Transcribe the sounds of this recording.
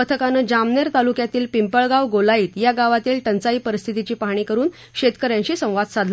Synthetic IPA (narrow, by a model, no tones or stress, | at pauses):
ət̪ʰəkanəd͡ʑamneɾt̪alukjat̪iːlpimpəɭɡawɡolaiːt̪jaɡaʋat̪iːlʈ̪ənt͡saiːpəɾist̪ʰit̪it͡ɕiːpaɦɽ̃iːkəɾuːn | ɕet̪kəɾjãɲɕiːsə̃w̃ʋad̪sad̪ʱ